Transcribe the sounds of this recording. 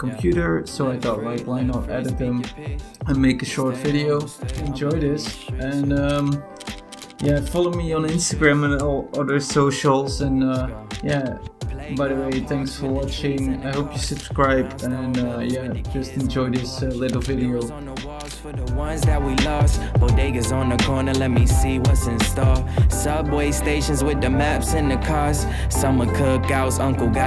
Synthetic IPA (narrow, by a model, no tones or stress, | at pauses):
kʰm̩pʰj̥ʉɾə˞soʊaɪθɔtˡlaɪklaɪ̃nəɾɛɾɨt̪̚ðɨ̃mɨ̃nmeɪkɨʃɔɹtv̥ɪɾioʊɨ̃nd͡ʒɔɪðɪsɨ̃nʌ̃m | jæfɑlˠoʊmiə̃nɪ̃nstɨɡɹæ̃mɨ̃nɔlˠʌðə˞soʊʃl̩ˠzɨ̃nʌjæ | baɪðəweɪθæ̃ŋksfə˞wɑt͡ʃɪ̃ŋa̰ɪɦoʊpjɨsɨb̥skɹaɪbɨ̃nʌjæd͡ʒʌstɛ̃nd͡ʒɔɪðɪslɪɾl̩ˠvɪɾioʊnəwɑz̥fə˞ðəwʌ̃nzðɨt̚wilʌvzbədeɪɡɨzn̩ðɨkʰɔɹnə˞lɛt̚misiʌsɨ̃nstɑɹsʌbweɪsteɪʃɨ̃nzwɪðɨmæpsɨ̃nðɨkʰɑɹs | sʌ̃mwʌ̃nkʰʊk̚ɡ̥aʊzʌ̃ŋkl̩ˠɡ